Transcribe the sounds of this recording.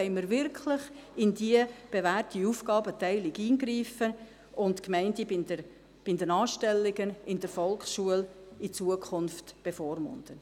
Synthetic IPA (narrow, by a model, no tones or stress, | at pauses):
ɛɪməɾvɪrkʰlɪχɪndiəb̥evæːrtiuːfɡ̥ɑːbətɛɪlɪɡiːnɡɾiːfə | ʊntkmɛɪntibɪdə | b̥ɪndɛnɑːʃtɛlːɪɡənɪndəɾfɔlksʃuəlit͡suəkʰχʊnftb̥efɔːrmʊ̰nd̥ən